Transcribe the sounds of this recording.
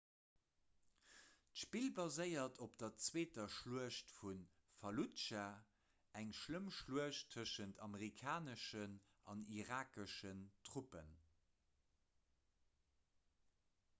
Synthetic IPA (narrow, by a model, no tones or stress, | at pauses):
tʃpilbɑzəɪɐtʰopd̥ɐt͡sweːtɐʃluəʃtfun | fɑlutt͡ʃa | æŋʃləmʃluəɕtʰəʃəntʰɑməʁikʰaːnəʃənʔɑniʁaːkəʃəntʁ̥upə̰n